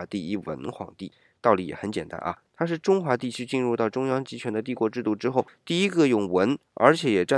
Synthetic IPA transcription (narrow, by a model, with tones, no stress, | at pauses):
t̪i˥˧i˥˩wə̰˧˥nxwɑ̰˨˧˩ŋt̪i˥˩ | t̪ɑ˥˩ʊli˧˥jɛ̰˨˩xə˧˥nt͡ɕjɛ˨˩nt̪a̰˥nʔɐ̰˧t̪ʰa˥ʂ̬ɻ̩˥˩ʈ͡ʂʊ˥ŋxwa˧˥t̪i˥˩t͡ɕʰy˥t͡ɕi˥˧nɻu˥˧t̪ɑ˥˩ʊʈ͡ʂʊ˥ŋjɑ˥ŋt͡ɕi˧˥t͡ɕʰɥɛ˧˥nd̪ə˧t̪i˥˩kwɔ˧˥ʈ͡ʂɻ̩˥˧t̪u˥˩ʈ͡ʂɻ̩˥xo˥˩ʊt̪i˥˩i˥ɡə˧jʊ˥˩ŋwə˧˥nə˞˧˥t͡ɕʰjɛ˨˧˥jɛ˨˩ʈ͡ʂa˥˩